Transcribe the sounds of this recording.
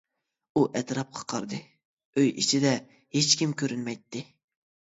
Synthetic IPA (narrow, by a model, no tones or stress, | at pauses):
uʔɛt̪ɾɑp̚qʰɑ̥qʰɑɾd̪ɨ | øjḭt͡ʃʰid̪ɛ | het͡ʃkʲimkʲʰøɾynmɛjt̪ːɪ